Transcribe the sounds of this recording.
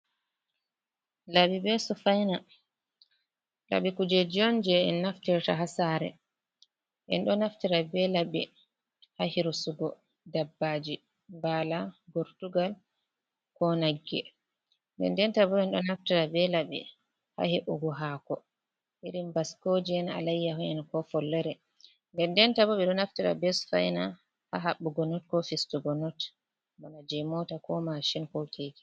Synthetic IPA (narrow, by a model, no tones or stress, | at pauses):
labibɛsɔfajna | la̰ɓikud͡ʒɛd͡ʒɔnd͡ʒɛɛnnːaftiɾtaɦasaɾɛ̰ | ʔɛ̰nɗɔnaftiɾabɛlabɛ | hahiɾusuɡɔ | dabːad͡ʒi | mbalabɔɾtuɡal | kɔnaɡːɛ | ndɛ̰ndɛntabɔɓɛnɗɔnaftiɾabɛlabɛ̰ | ha̰heʔuɡɔɦaːkɔ | ʔiɾimbaskod͡ʒiɛna̰lajːaɦunɛnkɔfɔlːɛɾɛ | ndɛndɛntabɔɓɛɗɔnaftiɾa̰bɛsfa̰jna | ha̰ɦaɓːuɡɔnɔtkɔfistuɡɔnɔt | banad͡ʒɛmɔtakɔmaʃinkɔtʰeːɡi̥